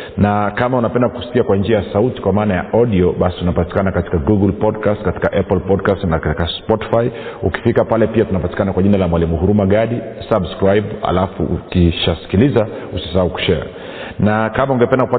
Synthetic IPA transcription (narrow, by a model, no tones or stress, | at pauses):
nakamaunapɛndaku̥si̥kiakwand͡ʒiajasauti̥kwamaːnajaʔɔɗiɔɓasitunapati̥kanakati̥kaɡuɡulpɔdkastkati̥kaʔɛplpɔdkastnakaikaspɔti̥faiṵki̥fikapalɛpiatunapati̥kanakwaʄinalamwalimuhuɾumaɠaɗi | sabskɾajɓa̰lafṵʔṵkiʃasi̥kilizausi̥sahauku̥ʃɛa̰ | nakamauŋɡɛpɛndakupa